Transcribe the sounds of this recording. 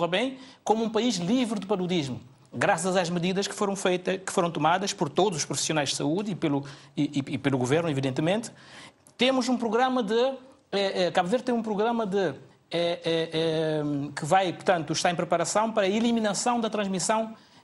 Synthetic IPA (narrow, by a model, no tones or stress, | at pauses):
ʁɐβẽj̃komuũpɐiʒlˠivɾɨd̪ɨpɐɾuðiʒmu | ɡɾasɐzaʒmɨðiðɐʃkɨ̥foɾɐ̃w̃fejt̪ɐʃkɨ̥foɾɐ̃w̃t̪umaðɐʃpɔɾt̪od̪uzuʃpɾufi̥sjunajʒd̪sɐuðipelˠuiiipelˠuɣuveɾnuiviðẽnt̪mẽnt̪ | t̪emuzũpɾuɣɾɐmɐd̪ɨ | ɛɛkaβveɾt̪ẽmũpɾuɣɾɐmɐd̪ɨ | ɛɛɛkɨvajpuɾt̪ɐ̃nt̪uʃt̪aɾẽpɾɨpɐɾɐsɐ̃w̃pɐɾɐilˠiminɐsɐ̃w̃d̪ɐt̪ɾɐ̃ʒmisɐ̃w̃